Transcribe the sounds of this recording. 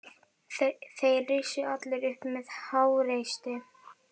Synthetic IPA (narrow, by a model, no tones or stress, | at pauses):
θejrɪsʏat̪lɪɾʏhpmɛðhaːwɾejst̪ɪ